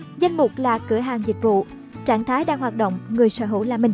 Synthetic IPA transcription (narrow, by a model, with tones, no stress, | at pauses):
za˧jŋ̟mʊ˨˩k͡p̚laː˨˩kɨ˧˩əɦaː˨˩ŋzï˨˩k̟̚vṵ˧˨ | t͡ɕaː˧˩nt̪ʰaː˨˦jɗaː˧˩ŋɦwaː˨˩t̚ɗo̰˧˨wŋ͡mŋɨ˨˩əjsəː˧˩ɦṵ˧˩˨laː˨˩mï˨˩ŋ